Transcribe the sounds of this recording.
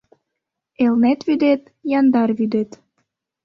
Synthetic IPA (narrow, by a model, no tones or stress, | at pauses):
elnet̪βyd̪et̪ | jɑnd̪ɑrβyd̪et̪